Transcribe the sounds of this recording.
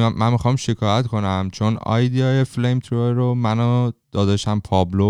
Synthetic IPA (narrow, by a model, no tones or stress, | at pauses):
mænmixɒːmʃekʰɒːjæt̪kʰo̞næmt͡ʃʰonɒ̰ːjd̪iɒjeflejmt̪ʰɾoeɾomænod̪̥ɒːd̪ɒʃæmpʰɒːblo